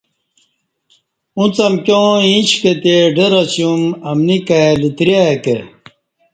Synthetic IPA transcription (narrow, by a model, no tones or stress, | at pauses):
ũt͡sɐmkjõĩɕket̪eɖeɾɐɕjumɐmnikalit̪ɾakḛ